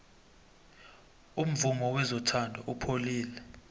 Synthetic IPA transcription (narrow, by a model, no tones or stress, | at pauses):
um̩vumɔwɛzɔtʰandʱɔʔupʰoliːlɛ